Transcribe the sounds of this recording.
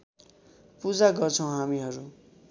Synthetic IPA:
pud͡zaɡʌrt͡sʰʌw̃ɦamiɦʌɾu

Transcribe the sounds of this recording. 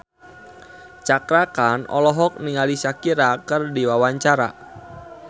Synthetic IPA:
t͡ʃakɾakanɔ̰lɔɦɔk̚niŋalisakiɾakɨrdiwawaɲt͡ʃaɾa̰

